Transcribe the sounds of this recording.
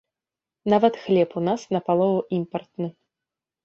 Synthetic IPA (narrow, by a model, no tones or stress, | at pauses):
navɐt̪xlʲɛpunasnɐpalˠɔvuʔimpɐrt̪̚nɨ